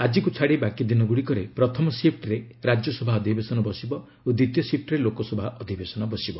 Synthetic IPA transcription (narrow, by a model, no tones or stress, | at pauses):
ad͡ʒikut͡ʃʰaɽebakid̪inɔɡuɽikɔɾepɾɔt̪ʰɔmɔsep̚ʰʈɾe | ɾad͡ʒjɔsɔbʱaɔd̪ʱibesɔnɔbɔsibɔ | od̪ɾit̪jɔsip̚ʈɾelokɔsɔbʱaʔɔd̪ʱibesɔnɔbɔsibɔ